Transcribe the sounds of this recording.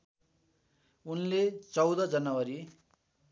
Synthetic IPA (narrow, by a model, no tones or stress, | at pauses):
unlet͡sʌwd̪ʌd͡zʌnʌwʌɾi